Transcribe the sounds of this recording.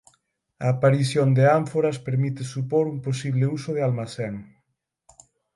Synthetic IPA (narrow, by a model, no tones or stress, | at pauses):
aːpaɾiθjond̪eaɱfoɾɐspeɾmit̪ɪsupoɾumposiβ̞lɪusoð̞ealmaθeŋ